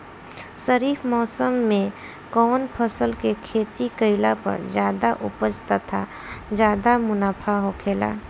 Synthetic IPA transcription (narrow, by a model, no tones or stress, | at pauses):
səɾiːfʰmɔːsəmːẽ | kɔːnpʰəsəlkekʰeːt̪ikəɪlapɐ̰ɾd͡ʒjaːd̪aʔʊ̰pəd͡ʒt̪at̪ʰa | d͡ʒjaːd̪amʊnaːpʰaɦoːkʰeːla̰ː